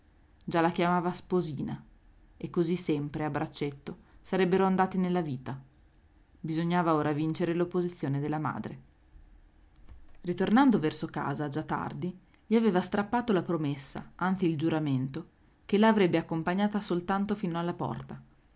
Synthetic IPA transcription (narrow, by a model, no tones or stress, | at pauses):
d͡ʒalːakjamaːvaspoziːna | ekːozisːɛmpɾeabɾat͡ʃːet̪ːosaɾɛbːeɾoand̪aːt̪inelːaviːt̪a | bizoɲːaːvaoːɾavint͡ʃeɾelopːozit̪sːjoːned̪elːama̰ːd̪ɾḛ | rit̪ornand̪ovɛrsoka̰ːzad͡ʒat̪ːa̰rd̪i | ʎiaveːvast̪ɾapːaːt̪olapɾomesːa̰ant̪siːld͡ʒuɾament̪o | kelaːvɾɛbːeakːompaɲːaːt̪asolt̪ant̪ofinoalːapɔ̰rt̪a